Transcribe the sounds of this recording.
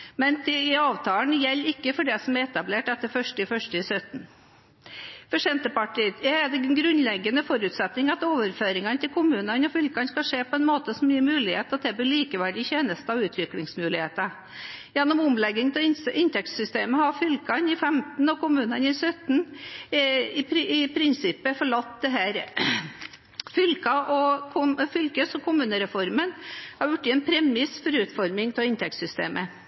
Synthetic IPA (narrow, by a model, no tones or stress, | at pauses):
mɛnt̪ʰɪɪɑːʋt̪ʰɑːnjɛlːɪkːəfɔɖɛsɔmæɾɛt̪ɑbleːʈɛt̪ːəɾfœʂʈɪfœʂʈɪsœt̪n̩ | fɔʂɛnt̪əpɑʈiɛæd̪ɛnɡɾʉnlɛɡːənəfɔɾʉt̪sɛt̪nɪŋɑt̪oːʋəɾføːɾɪŋɑnt̪ɪlkʰʊmʉːnɑnɔfʏlkɑnskɑʂeːpʰɔɛnmoːt̪əsɔmjiːmʉːlɪheːt̪ɑt̪̚d̪ɛb̪ɪɭiːkəʋæɖɪçeːnəst̪ɑʋʉːt̪ʰʋɪklɪŋsmʉːlɪheːt̪ɑ | jɛnːɔmʊmlɛɡːɪŋt̪ɛɪnʔɪnt̪ʰɛkt̪sʏst̪eːməhɑɾfʏlkɑnɪfɛmt̪n̩ɔkʊmʉːnɑnɪsœt̪n̩ | ɪpɪpʰɾɪnsɪpːəfɔɭɑt̪ːd̪ɛɦæːɾ | fʏlkɑʔɔkʰʊfʏlkəsɔkʰʊmʉːnəɾɛfɔɾmənhɑɾjʊʈːɪɛnpʰɾɛmɪsfɔɾʉːt̪fɔɾmɪŋt̪ɛlɪnt̪ʰɛk̚t̪sʏst̪ḛːmə